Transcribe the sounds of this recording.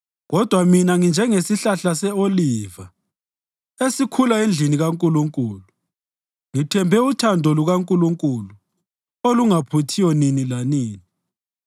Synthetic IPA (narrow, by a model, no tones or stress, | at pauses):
ɣɔd̥ʱwaminaŋind͡ʒʱɛŋesiɬaɬasɛoliva | esikʰulaend͡ɮʱiniɣaŋkʼuluŋkʼuːlu | ŋitʰɛmbʱɛutʰandʱɔluɣaŋkʼuluŋkʼulu | oluŋapʰutʰijɔninilaniːni